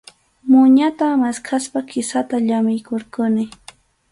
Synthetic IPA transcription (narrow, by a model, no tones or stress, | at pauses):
mʊɲat̪amaskʰaspakɪsat̪aʎamɪjkoɾkʊnɪ